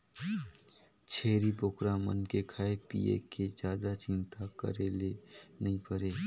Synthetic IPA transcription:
t͡ʃʰeːɾipokɾamə̰nkekʰaːepḭːḛked͡ʒjaːd̪at͡ʃɪ̃nt̪akə̰ɾelenɐɦĩpəɾeː

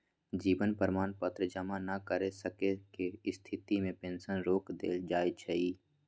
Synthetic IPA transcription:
d͡ʒiːbənpəɾmaːnpət̪ɾəd͡ʒəmanəkəɾesəkekeɪst̪ʰɪt̪imẽpẽːnʃənɾoːkd̪ḛːld͡ʒaːjt͡ʃʰəiː

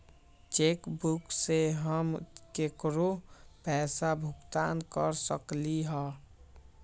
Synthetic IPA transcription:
t͡ʃekbukseɦəmkekɾopɛːsabʱʊkt̪ankəɾsə̰kliɦɛː

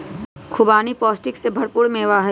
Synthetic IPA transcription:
kʰʊbaːnipɔːsʈɪksebʱɐɽpʊɽmẽʋaːɦ

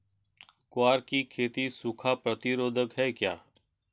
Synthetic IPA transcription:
kʊaːɾkikʰeːt̪isukʰapɾət̪ɪɾoːd̪ʱəkɦɛːkja̰ː

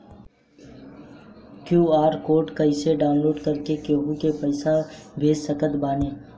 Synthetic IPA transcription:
kjuːaːɾkoːɾʈkɐɪseɖaːʊnloːɖkɐɾkekeːɦukepəɪsabʱeːd͡ʒsəkət̪baːneː

